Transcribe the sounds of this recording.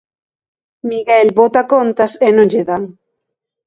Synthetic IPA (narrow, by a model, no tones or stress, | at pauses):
miɣɛlbot̪akont̪ɐsenõŋʎeðaŋ